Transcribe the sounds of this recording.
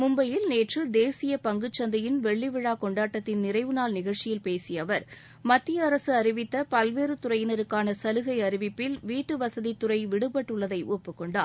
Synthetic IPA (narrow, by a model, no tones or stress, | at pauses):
mʊmbɐjɪlneːʈrɯd̪eːsɪjɐpɐŋɡɯt͡ʃːɐnd̪ɐjɪnʋɛɭːɪʋɪɻaːkɔɳɖaːʈːɐt̪ːɪnnɪrɐɪʋɯnaːlnɪɣɐɻt͡ʃɪjɪlpeːsɪjɐʋɐɾ | mɐt̪ːɪjɐːɾɐsɯɐɾɪʋɪt̪ːɐpɐlʋeːɾɯt̪ʊɾɐjɪnɐɾɯkːaːnɐsɐlɯɣɐɪɐɾɪʋɪpːɪlʋiːʈːɯʋɐsɐðit̪ːʊrɐɪʋɪɽɯpːɐʈːɯɭːɐðɐɪʔoːpːɯkːɔɳɖa̰ːɾ